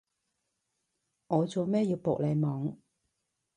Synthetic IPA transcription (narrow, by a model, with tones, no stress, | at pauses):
ŋɔː˨˧t͡so˨wmɛː˥jiː˧wpo̰˨k̚le˨˧jmɔː˨˥ŋ